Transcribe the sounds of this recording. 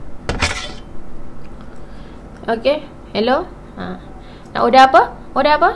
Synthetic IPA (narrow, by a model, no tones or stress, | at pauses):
oke | helo | a | na̰ʔodaɦapəodaapə